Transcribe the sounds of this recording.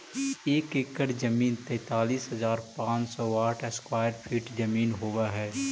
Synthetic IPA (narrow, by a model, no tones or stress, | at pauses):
eːkekəɾd͡ʒɐmiːnt̪ɛ̃ːt̪aːliːsɦɐzaːɾpãːt͡ʃsɔːaːʈʰɛskwaːjəɾpʰiːʈd͡ʒɐmiːnɦowaɦɛː